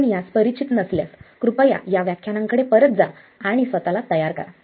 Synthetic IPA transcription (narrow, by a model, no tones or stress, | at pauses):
nijaspəɾit͡ɕit̪nəsljaskɾupəja̰jaʋjakʰjanãŋkəɽepəɾət̪̚d͡za | aɽ̃isʋət̪alat̪əjaɾka̰ɾ